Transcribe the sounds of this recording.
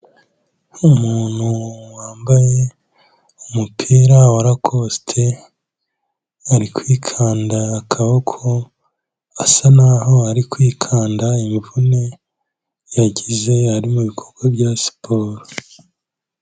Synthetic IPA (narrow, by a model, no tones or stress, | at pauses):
umuːn̥huwaːmbaje̞ | umupʰiːɾawaɾakʰostʰe | aɾikwiːkʰaːndaːkʰaβokʰo | asanaːɦo̞aɾikwiːkʰaːndaimivune̞ | jaɟize̞aɾimuβikʰoɾɡwabɟasi̥pʰoːɾo